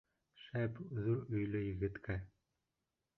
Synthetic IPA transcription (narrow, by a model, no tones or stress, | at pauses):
ʃæpðuɾɵ̆jlɘjɘ̆ɡɘ̆t̪kæ